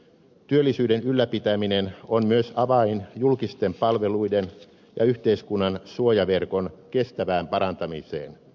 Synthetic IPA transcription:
t̪yølːisyːdenylːæpit̪æminenonmyøsɑʋɑinjulkist̪e̞mpɑlʋe̞luiden | jɑ̰yht̪eiskunːɑnsuojɑʋe̞rko̞nke̞st̪æʋæːmpɑɾɑnt̪ɑmḭsḛːn

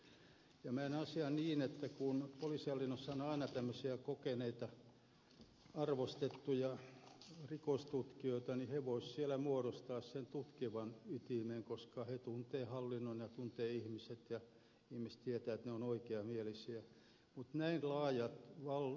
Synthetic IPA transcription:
jɑmænɑsiɑniːnet̪ːækunpoliˑsihɑlːinːosːɑonɑinɑt̪æmːøsiækokeneit̪ɑ | ɑrʋost̪et̪ːujɑ | rikost̪ut̪kioit̪ɑniheʋoissielæmuoɾost̪ɑːssent̪ut̪kiʋɑnyt̪imeŋkoskɑhet̪unt̪eːhɑlːinːonjɑt̪unt̪eːihmiset̪jɑ | ihmist̪iet̪æːet̪neonoikeɑmielisiæ | mut̪næinlɑːjɑt̪ʋɑl

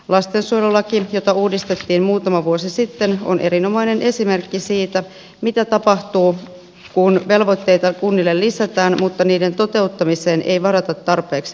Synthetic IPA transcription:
lɑst̪ensuojlolːɑkijo̞t̪ɑuːdist̪et̪ːiːmmuːt̪ɑmɑʋuosisit̪ːe̞no̞̰nʔe̞ɾino̞mɑjne̞nʔe̞sime̞rkːisiːt̪æ | mit̪æt̪ɑpɑht̪uː | kunʋe̞lʋo̞t̪ːe̞jt̪ɑkunːilːellisæt̪æːnmut̪ːɑniːde̞nt̪o̞t̪e̞ut̪ːɑmise̞ːnʔe̞jʋɑɾɑt̪ɑt̪ːɑrpe̞ːks

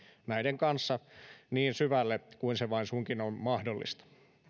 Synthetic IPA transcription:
næideŋkɑnsːɑniːnsyʋælːekuinseʋɑinsuŋkinommɑhdolːḭst̪ɑ̥

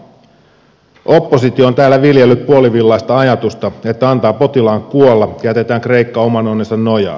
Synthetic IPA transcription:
ʔo̞pːo̞sit̪io̞ːnt̪æːlːæʋiljelːyp̚puo̞liʋilːɑjst̪ɑɑjɑt̪ust̪ɑe̞t̪ːæɑnt̪ɑːpo̞t̪ilɑːŋkuolːɑɑjæt̪e̞t̪æːŋkre̞ikːɑo̞mɑnonːensɑnno̞jɑ̰ː

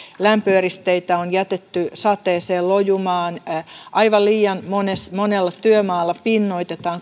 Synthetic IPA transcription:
læmpøːrist̪eit̪æonjæt̪et̪ːysɑt̪ˑeːseːllojumɑːnʔɑiʋɑlliːjɑnmonesmonelːɑt̪yømɑːlːɑpinːoit̪et̪ɑːŋ

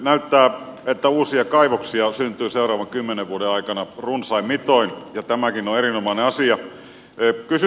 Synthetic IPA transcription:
næyt̪ːæːet̪ːæuːsiɑkɑiʋoksiɑsynt̪ˑyːseurɑːʋɑŋkymːeneʋʋuodeɑikɑnɑrunsɑimit̪oinjɑt̪æmækinoerinomɑineɑsiɑ | kysy

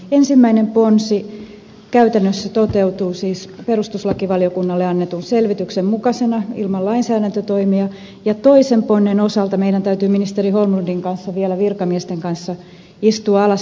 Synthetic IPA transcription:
ensimːæinemponsi | kæyt̪ænːøsːæt̪ot̪eut̪uːsiːsperust̪uslɑkiʋɑliokunːɑlːeɑnːet̪unselʋit̪yksemmukɑsenɑilmɑllɑinsæːɾænt̪øt̪oimiɑ | jɑt̪oisemponːenosɑlt̪ɑmeiɾænt̪æyt̪yːminist̪eriholmundiŋkɑnsːɑʋiɛlæʋirkɑmiɛst̪eŋkɑnsːɑ | ist̪uɑɑlɑs

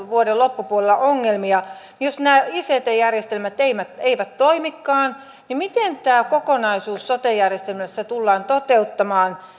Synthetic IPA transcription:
ʋuodelopːupuolelːɑʔoŋːelmiɑ | nijosnæːiset̪ejærjest̪elmæt̪eimæt̪eiʋæt̪toimikːɑːn | nimit̪ent̪æːkokonɑisuːsːot̪ejærjest̪elmæsːæt̪ulːɑːnt̪ot̪eut̪ːɑmɑːn

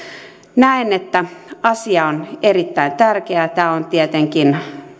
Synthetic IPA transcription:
næinet̪ːæɑsiɑonerit̪ːæint̪ærkeæt̪æːont̪iet̪eŋkin

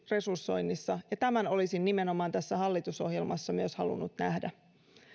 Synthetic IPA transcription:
re̞sursːo̞jnːisːɑjɑt̪æmæno̞lisinːime̞no̞mɑːnt̪æsːæhɑlːit̪uso̞hje̞lmɑsːɑmyøshɑ̰lṵnːut̪næhdæ

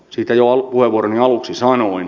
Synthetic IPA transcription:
siːt̪æjoɑpuheʋuoɾoniɑluksisɑnoin

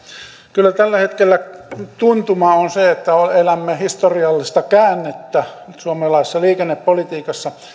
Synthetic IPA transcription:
kylːæt̪ælːæhet̪kelːæt̪unt̪umɑonseet̪ːæolelæmːehist̪oriɑlːist̪ɑkæːnːet̪ːæsuɑmelɑisesːɑliːkenːeppolit̪iːkɑsːɑ

